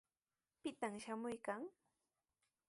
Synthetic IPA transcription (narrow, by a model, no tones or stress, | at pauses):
pɪt̪amʃamʊjkaŋ